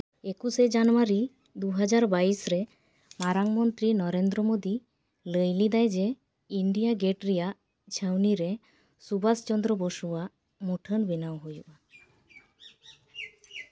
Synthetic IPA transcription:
ekused͡ʒanwaɾi | d̪uɦad͡ʒaɾbaisɾe | maɾaŋmɔnt̪ɾinɔɾend̪ɾɔmod̪i | ləjlid̪ajd͡ʒe | iɳɖijaɡeʈɾijaʔ | t͡ʃʰəwniɾe | subast͡ʃɔnd̪ɾɔboʃuwaʔ | muʈʰənbinawɦojuʔa

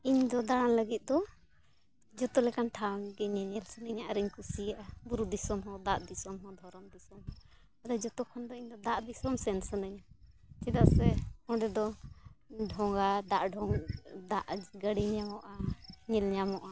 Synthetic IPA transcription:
iɲd̪ɔd̪aɽaŋləɡit̪̚ˀd̪ɔ | d͡ʒɔt̪ɔlɛkanʈʰaɡɛɲɛɲɛlsənəɲaʔaɾiɲkusiaʔabuɾud̪isɔmɦɔ̃d̪aʔd̪isɔmɦɔ̃d̪ʱɔɾɔmd̪isɔmɦɔ | ad̪ad͡ʒɔt̪ɔkʰɔnd̪ɔiɲd̪ɔd̪aʔd̪isɔmsɛnsənəɲa | t͡ʃɛd̪aʔsɛɔɖɛd̪ɔ | ɖʱɔŋɡad̪aʔɖʱɔŋd̪aʔɡəɽiɲamɔʔaɲɛlɲamɔʔa

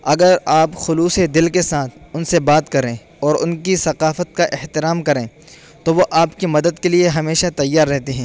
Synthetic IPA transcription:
ɐɡəɾaːpxʊluːsed̪ɪlkesaːt̪ʰʊnsebaːt̪kɐɾẽː | ɔːɾʊnkisɐqaːfət̪̚kaʔɪht̪ɪɾaːmkɐɾẽː | t̪oʋoʔaːpkimɐd̪əd̪kelieɦɐmeːʃat̪ɐjːaːɾːɛɦt̪eɦɛ̃ː

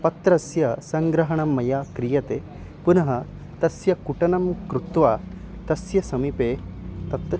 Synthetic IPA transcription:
pɐt̪ɾɐsjɐsɐŋɡɾɐɦɐɳɐmːɐjaːkɾijɐt̪e | punɐɦɐ | t̪ɐsjɐkuʈɐnɐmkɾut̪ʋaː | t̪ɐsjɐsɐmipeːt̪ɐt̪

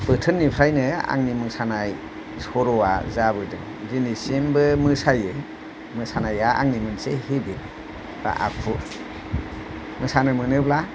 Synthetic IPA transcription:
b̥ɯtʰɯnːipʰɾajnɯa̰ŋnimɯŋsanaj | sɔɾɔwazabɯdɯŋ | dinisembɯmɯsajɯ | mɯsanajaa̰ŋnimɯnsehibi | b̥a̰ʔa̰kʰu | mɯsanɯmɯnɯbla

